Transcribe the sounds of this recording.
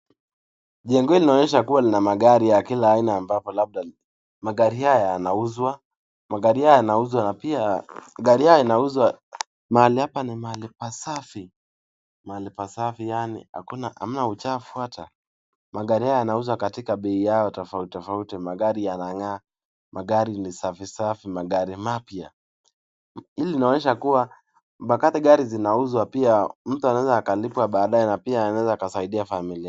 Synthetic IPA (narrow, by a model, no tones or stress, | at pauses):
ʄɛŋɡɔilinaɔɲɛʃakuwalinamaɠaɾijakilaːinaːmbapɔlaɓ̚ɗa | maɠaɾihajajanauzwa | maɠaɾihajɔjanauzwanapiaɠaɾijajɔinauzwa | mahalihapanimaalipasafi | malipasafijanḭa̰kunaha̰m̩naut͡ʃafuatʰa | maɠaɾihajɔjanauzwakatikaɓɛijaɔtɔfautɔfautimaɠaɾijanaŋa | mʔaɠaɾinisafisafimaɠaɾimapja | iliinaɔɲɛʃakuwa | ɓakatiɠaɾizinauzwapiam̩tuanaɛzaːkalipwaɓaːɗajɛnapiaːnawɛzaːkasaiɗiafamilia